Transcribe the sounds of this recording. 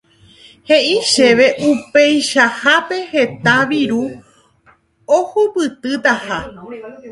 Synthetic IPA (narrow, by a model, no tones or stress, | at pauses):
he̞ʔiʃe̞ʋe̞ʔupe̞jʃahape̞he̞t̪aʋiɾu | ohupɨt̪ɨt̪aha